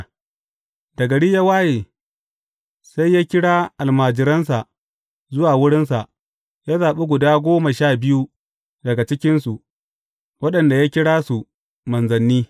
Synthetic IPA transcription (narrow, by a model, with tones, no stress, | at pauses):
dɐ˨ɡɐ˨ɽiː˦ja˦waː˦jeː˨ | sa˦jːaː˦kʲɪ˦ɽaː˦ʔa˨lmaː˨d͡ʒɪ˨ɾɐ˦ns̬a˨ʔ | zʊ˦waː˨wʊ˦ɽɪ˦ns̬a˨ʔ | jaː˦zaː˨ɓe˦ɡʷʊ˨daː˦ɡʷoː˦ma˨ʃaː˦˨bɪ˦ju˦ | dɐ˨ɡa˨t͡ʃɪ˦kʲɪ˦nsu˨ʔ | wɐ˦ɗɐ˨nda˨ja˦kʲɪ˦ɽaː˦su˨ | mɐ˨nzɐ˨nːiː˦